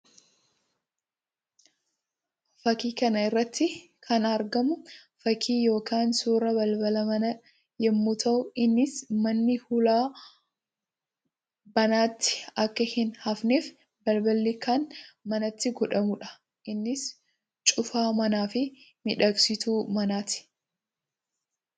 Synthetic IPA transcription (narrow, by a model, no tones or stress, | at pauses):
fɐkiːkɐnɐɪrːɐt̪ʰːɪ | kʰɐnɐɾɡɐmʊ | fɐkʰiːjo̞ːkaːnsuːɾɐbɐlbɐlɐmɐnɐ | jɛmːʊt̪ʰɐʔʊɪnːɪsmɐnːɪhʊlaː | bɐnaːt̪ːɪ̥ɐkːɐhɪnhɐfneːf | bɐlbɐlːikanmɐnɐt̪ːɪɡɔᶑɐmʊᶑɐ̥ | ʔɪnːɪs | t͡ʃʼʊfaːmɐnaːfɪmɪᶑɐksɪt̪uːmɐnaːt̪ɪ̥